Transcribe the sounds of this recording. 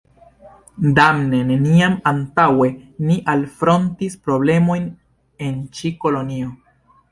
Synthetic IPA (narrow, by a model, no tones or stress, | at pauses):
damne̞ne̞niamantawe̞niʔalfɾo̞ntispɾo̞ble̞mo̞jn | e̞nt͡ʃiko̞lo̞nio̞